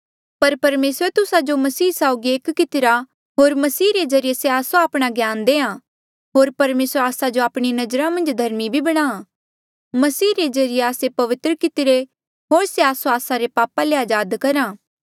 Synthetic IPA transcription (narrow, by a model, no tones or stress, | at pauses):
pɐɾpɐɾmeːsɾet̪ʊsad͡ʒomɐsiːsaoɡieːkkɪt̪ɪɾa | ɦoːɾmɐsiːɾezɐɾijeseaːsõaːpɽ̃aɡjaːnd̪eːã | ɦoːɾpɐɾmeːsɾaːsad͡ʒoaːpɽ̃inɐd͡ʒɾãmɐ̃nd͡ʒd̪ʱɐɾmibʱibɐɽ̃aː | mɐsiːɾezɐɾɪjeaːsepɐʋɪt̪ɾəkɪt̪ɪɾe | ɦoːɾseaːsõaːsaɾepaːpaleaːd͡ʒaːd̪kɐɾãː